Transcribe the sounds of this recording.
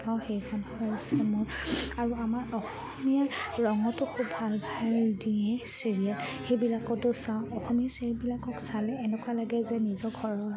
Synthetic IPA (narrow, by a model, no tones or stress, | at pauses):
paw̃xejkʰanhɔjasɛmʊɹaɹuamaɹɔxɔmiaɹɔŋɔtʊxubʱalbʱaldiɛseɹialxejbilakɔtʊsaʊ̃ɔxɔmiaselbilakɔksalɛːnɛkwalaɡɛzɛnizɔɡʱɔɹɔ